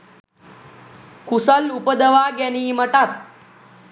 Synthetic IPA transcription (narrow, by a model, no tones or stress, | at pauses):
kusəlupəd̪əʋaɡɛniːməʈat̪̚